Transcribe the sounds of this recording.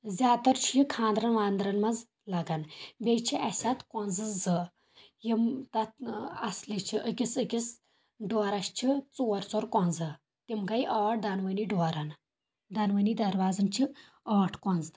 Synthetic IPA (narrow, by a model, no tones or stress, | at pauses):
zʲaːt̪ɐɾt͡ʃʰikʰãːnd̪ɾɐnʋaːnd̪ɾɐnmɐd͡z | laɡanbet͡ʃʰiʔɛsʲat̪kɔnd͡zɨd͡zə | jimt̪aɐslit͡ʃʰiʔəkʲisəkʲis | ɖoɾaɕt͡ʃʰit͡suɐɾt͡soɾkɔnd͡zɨ | t̪imɡajʔɔːʈ̚d̪anʋəniɖɔɾan | d̪ɐnʋənid̪ɐɾʋaːzɐnt͡ʃʰi | ɔːʈʰkɔnd͡z̪